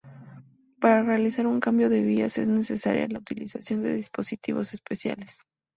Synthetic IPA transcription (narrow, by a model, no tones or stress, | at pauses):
paɾare̞alisaɾuŋkambjo̞ðe̞β̞iase̞̰zne̞se̞sa̰ɾja̰laut̪ilisasjo̞nd̪e̞̰ðispo̞sit̪iβose̞spesja̰les